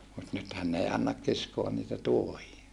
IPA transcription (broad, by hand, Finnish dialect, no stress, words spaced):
mut nythæn n ei ɑnːɑk kiskoɑn niːtæ tuohiɑ